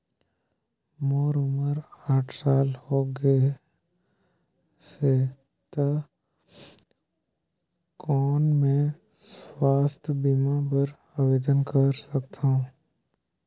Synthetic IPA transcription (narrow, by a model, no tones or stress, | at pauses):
moːɾʊməɾaːʈʰsaːlhoːɡe | se | t̪a | kɔːnmẽ | swaːst̪ʰbimapəɾ | aweːd̪ənkəɾsək̚t̪aũ